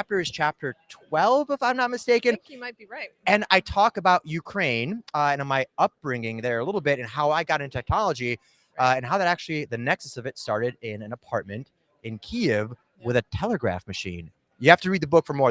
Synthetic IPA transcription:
p̚tə˞ɨz̥t͡ʃʰæp̚tə˞tʰw̥ɛlˠvəfãɪ̃mnət̚mɨsteɪkɨ̃nmaɪt̚b̥iɹaɪtɨ̃naɪtʰɔkɨbaʊʔjʉkʰɹ̥ẽɪ̃nɨ̃ñmaɪʌp̚b̥ɹɪ̃ŋɪ̃ŋðə˞ɨlɪɾl̩ˠbɪɾɨ̃nɦaʊaɪɡɑɾɨ̃ntʰɛk̚nɑlˠəd͡ʒi | ɨ̃nɦaʊðɨɾæk̚t͡ʃʉl̩ˠiðɨnɛksɨsʌvɨtstɑɹɾɨɾɪ̃nɨ̃nəpʰɑɹt̚mɨ̃nt | ɨ̃nkʰiɪv | wɨðɨtʰɛlˠəɡɹæ̰fmɨʃḭ̃n | jɨhæftɨɹid̪̚ðɨbʊkfə˞mɔ

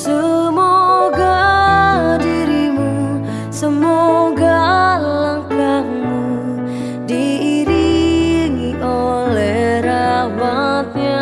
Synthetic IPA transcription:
səmoɡa | diɾimu | səmoɡalaŋkaŋmu | diːɾiŋiʔolɛhɾawat̪̚ɲa

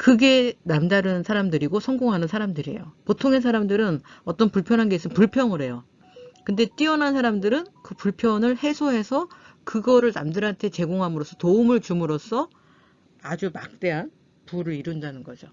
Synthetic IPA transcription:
kɯɡe̞namdaɾɯnsʰaɾamdɯɾiɡosʰʌŋɡoŋɦanɯnsʰaɾamdɯɾḭjopotʰoŋesʰaɾamdɯɾɯnʌt͈ʌnpuɭpʰjʌnɦanɡesʰɯnpuɭpʰjʌŋɯɾe̞jo | kɯnde̞t͈iʌnansʰaɾamdɯɾɯnkɯpuɭpʰjʌnɯɭhe̞sʰoɦe̞sʰʌkɯɡʌɾɯɭnamdɯɾantʰe̞t͡ɕe̞ɡoŋɦamɯɾos͈ʰʌtoumɯɭt͡ɕumɯɾos͈ʰʌ | ad͡ʑumak̚t͈e̞ɦan | puɾɯɾiɾundanɯnɡʌd͡ʑo

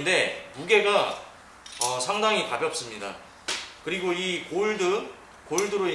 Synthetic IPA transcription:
nde̞uɡe̞ɡa | ʌsʰaŋdaŋipabjʌp̚s͈ɯmɲida̰ | kɯɾiɡoikoɭdɯ | koiɭdɯɾo

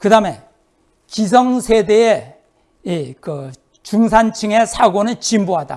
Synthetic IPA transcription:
kɯdame | t͡ɕis̬ʰʌŋsʰedee | ikɯ | t͡ɕuŋsʰant͡ɕʰɯŋesʰaɡonɯɭt͡ɕimbuɦada̰

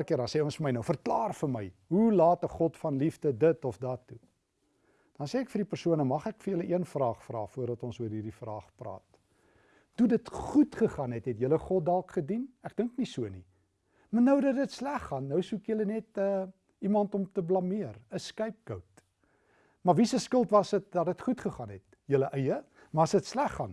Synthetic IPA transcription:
kiəɾdɑnseːɔnsfəməjnəwfərklɑːrfərməjɦulɑːtəχɔtfɐnlifdədətɔfdɐtːu | d̥ɐnseːkfərdipərsuənəmɐχækfəjələʔiənfrɑːχfrɑːfuərdɐtɔnsuərɦiːrdifrɑːχprɑ̰ːt̚ | tudətχutχəχɑnɦɛtɦɛtjələχɔt̚dɑlˠkχədinæk̚dəŋknisuəni | mɐrnəwdədətslæχːɐnːəwsukjələnɛtə | imɐntɔmtəblɐmiərəskəjp̚kəwt | mɐrvisəskəlˠtvɐsət̚dɐdətχutχəχɑnɦɛt̚ | jələʔəjə | mɐɐsətslæχːɐn

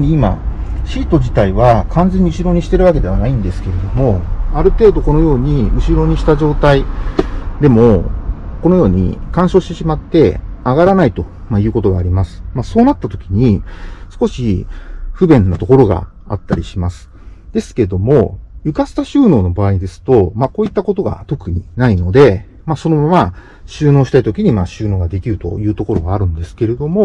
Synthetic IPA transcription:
iima̰ɕiːt̪o̞d͡ʑit̪aiβ̞akʰãnd͡zẽ̞ɲ̟ːiɯ̟ɕiɾo̞ɲ̟iɕi̥t̪e̞ɾɯ̟βake̞d̪e̞βanaĩnd̪e̞sɨ̥ke̞ɾe̞d̪o̞mo̞aɾɯ̟t̪e̞ːd̪o̞ko̞no̞jo̞ːɲ̟iɯ̟ɕiɾo̞ɲ̟iɕi̥t̪aʑo̞ːt̪ai | d̪e̞mo̞ko̞no̞joːɲ̟ḭkãɰ̃ɕo̞ːɕi̥t̪e̞ɕimat̪ːe̞aɡaɾanait̪o̞ | majɯ̟ːko̞t̪o̞ɡaːɾʲimasɨ̥maso̞ːnat̪ːat̪o̞kʲiɲ̟isɨ̥ko̞ɕiɸɯ̟bẽ̞nːat̪o̞ko̞ɾo̞ɡa̰ | a̰t̪ːaɾʲiɕimasɨ̥ | d̪e̞sɨ̥ke̞d̪o̞mo̞jɯ̟kasɨ̥t̪aɕɨːno̞ːno̞baːɲid̪e̞sɨ̥t̪o̞mako̞ːit̪ːako̞t̪o̞ɡa̰t̪o̞kɯ̟ɲ̟ḭnaino̞d̪e̞ | maso̞no̞mama | ɕɨːno̞ːɕi̥t̪ait̪o̞kʲiɲ̟imaɕɨːno̞ːɡad̪e̞kʲiɾɯ̟t̪o̞̰jɯ̟ːt̪o̞ko̞ɾo̞ɡaːɾɯ̟̃nd̪e̞sɨ̥ke̞ɾe̞d̪o̞mo̞

